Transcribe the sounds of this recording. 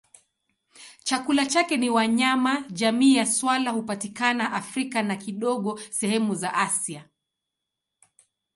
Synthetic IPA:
t͡ʃakulat͡ʃakɛniwaɲamaʄamiːjaswalahupatikanaʔafɾikanakiɗɔɠɔsɛhɛmuzaʔasia

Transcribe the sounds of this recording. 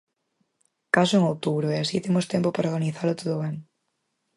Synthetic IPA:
kasoeŋowt̪uβɾoeasit̪emost̪jempopaɾoɾɣaniθaɾlot̪oðoβen

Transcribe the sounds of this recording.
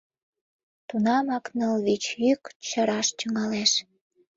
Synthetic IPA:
t̪unɑmɑknəlβit͡ɕjykt͡ɕəɾɑʃtyŋɑleʃ

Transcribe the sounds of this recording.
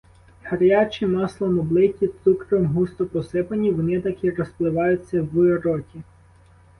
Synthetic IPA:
hɐɾjɑt͡ʃʲimɑslˠɔmɔblˠɪtʲit̪sukɾɔmɦust̪ɔpɔsɪpɐnʲiʋɔnɪt̪ɐkiɾɔsplˠɪʋɑjʊt͡sʲːɐwʊɾɔtʲi

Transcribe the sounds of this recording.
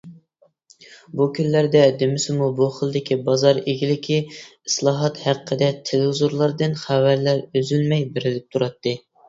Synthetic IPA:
bukʲʰynlæɾd̪ɛd̪emɪsɪmubuχəlˠd̪ɪkʲʰibɑzɑɾeɡʲilɪkʲʰiislˠɑːɦɑt̪hæqqʰːəd̪ɛt̪ʰelzuɾlˠɑɾd̪ɨnχæwæɾlæɾøzylmɛjbeɾɪlɪp̚t̪ʰuɾɑt̪ːɨ

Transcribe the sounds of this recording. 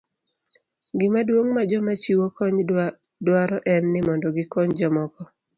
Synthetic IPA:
ɡɪmadwoŋmad͡ʒɔmat͡ʃiwokɔɲ | dwaɾɔʔɛnːɪmɔndɔɡɪkɔɲd͡ʒɔmɔkɔ

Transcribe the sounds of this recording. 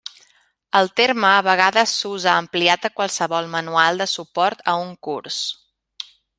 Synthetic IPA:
əlˠt̪eɾməːβəɣ̞aðəsuzaəmpliat̪əkwalˠsəβɔlˠmənualˠd̪əsupɔɾt̪əuŋkuɾs

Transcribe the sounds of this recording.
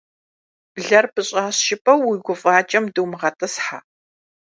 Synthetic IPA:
b̥ɮɐrpɨɕʼaːɕʃɪpʼɐwiɡʷʊfʼaːt͡ʃʼɐmdɨwmʁɐtʰʼɐsħaː

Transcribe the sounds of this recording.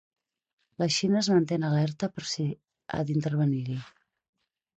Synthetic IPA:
ləʃinəːzmənt̪enəlɛɾt̪əpəɾsi | a̰d̪int̪əɾβ̞əniɾi

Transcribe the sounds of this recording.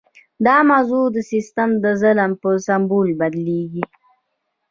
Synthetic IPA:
d̪ɑmazud̪əsist̪amd̪əzaləmpəsambulbad̪leɡi

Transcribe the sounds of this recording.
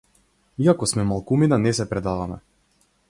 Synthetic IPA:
iakɔsmɛmalˠkuminanɛsɛpɾɛd̪avamɛ̰

